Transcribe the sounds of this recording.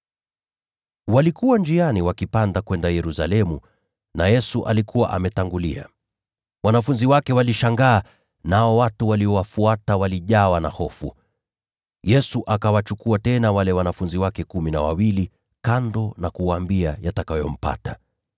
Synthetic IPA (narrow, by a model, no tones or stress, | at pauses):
walikuwand͡ʒianiwakipandakwɛndajɛɾusa̰lɛmu | najɛsuʔalikʰuwa̰ʔa̰mɛtaŋɡulia̰ | wanafunziwakɛwaliʃaŋɡaː | naɔwatuwaliɔwafuatawaliʄawana̰hɔfu | jɛsuʔakawat͡ʃukuatɛnawalɛwanafunziwakɛkuminawa̰wili | kandɔnakuwaːmbiajatakajɔm̩pa̰ta